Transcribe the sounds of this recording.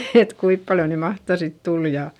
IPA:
et kuip pɑljo ny mɑhtɑ sit tul jɑ

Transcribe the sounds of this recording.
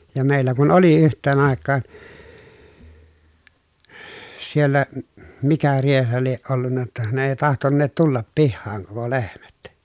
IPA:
jɑ meˑilːæ kun oli yhtˑeːn ɑˑekːɑːn sielːæ m mikæ riehɑ lieʔ ʔolːunːɑ tːɑ ne eˑi tɑhtonːeːt tulːɑp pihːɑːŋ koko lehmæt

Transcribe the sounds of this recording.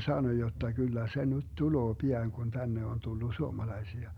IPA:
sɑno jotːɑ kylːæ se nyt tuloː piɑŋ kun tænːe on tulːu suomɑlɑisiɑ

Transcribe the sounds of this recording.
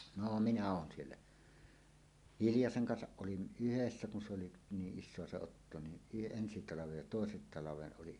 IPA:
no minæ oːn sielːæ hiljɑseŋ kɑnsɑʔ ʔolin ʔyhesːæ kun se oli niːʔ ʔisˑoɑ se otːo ni y ensi tɑlɑʋej jɑ toˑesen tɑlɑʋeʔ ʔoliʔ

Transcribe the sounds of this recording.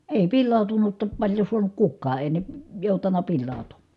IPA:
eˑi pilːɑˑu̞tunutːɑ pɑlʲjo suɑnuk kukːɑː eˑi ne joˑutɑnˑɑ pilːɑˑu̞tumːɑ̥ː

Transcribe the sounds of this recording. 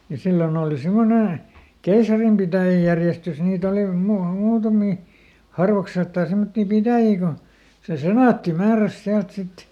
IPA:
jɑ silːon oːli simːone keisɑrimpitæˑjæjærjestys niːt oli muɑ muːtɑmiˑ hɑrʋɑkseltːɑː semːotːiˑ pitæˑjiː ko se senɑˑtːi mæːræs siælt sit

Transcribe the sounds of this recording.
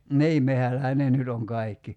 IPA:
niː mehælːæhæ ne nyt oŋ kɑi̞kːi

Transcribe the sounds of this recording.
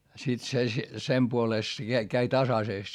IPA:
sit se sem puoleˑst se kæi kæi tɑsɑseˑst

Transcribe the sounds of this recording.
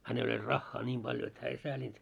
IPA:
hænel olʲ rɑxːɑː nʲiːm b̥ɑljo et hæː ei sæːlʲint

